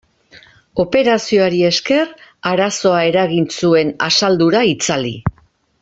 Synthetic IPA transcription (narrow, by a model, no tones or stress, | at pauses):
o̞pe̞ɾasioaɾie̞ske̞raɾaso̞ae̞ɾaɣinsue̞na̰sald̪uɾait͡salḭ